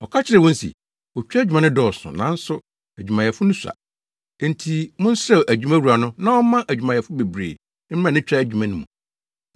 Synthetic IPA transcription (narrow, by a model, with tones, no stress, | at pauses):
ɔ˨kʰa˦t͡ɕʰɪ˦ɾɪ˨wɔ̃˦n̩˦sḭ˨ | ɔ˨t͡ɕᶣa˦˨d͡ʑᶣu˨mã˦nʊ̃˦dɔː˦˨sʊ̰̃˨nã˦n̩˦sʊ˦ | æ˨d͡ʑᶣu˨mã˨jɛ˨fʊ˦nʊ̃˦sã̰˨˦ | n˦tʰi˦mʊ̃˦n˦sɛ˦˨ʔæ˨d͡ʑᶣu˨mã˦wu˨a˨nʊ̃˦nã˦ɔ˦mã˦ʔæ˨d͡ʑᶣu˨mã˨jɛ˨fʊ˦be˨bɾḛː˨ | n˦ã˨nɪ̃˦t͡ɕᶣa˦æ˨d͡ʑᶣu˨mã˦nʊ̃˦mũ˨